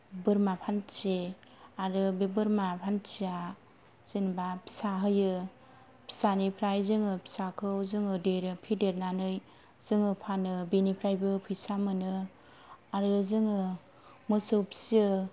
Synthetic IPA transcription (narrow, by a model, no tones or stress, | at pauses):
bɯɾmapʰant͡ʃe | aɾɯbebɯɾmapʰant͡ʃia | z̥inbapʰi̥saɦɯjɯ | pʰi̥sanipʰɾajzɯŋɯpʰi̥sakʰɯwzɯŋɯdeɾɯpʰideɾnanɯj | zɯŋɯpʰanɯbinipʰɾajbɯpʰɯjsamɯnɯ | aɾɯɯzɯŋɯ | mɯsɯwpʰi̥sɯ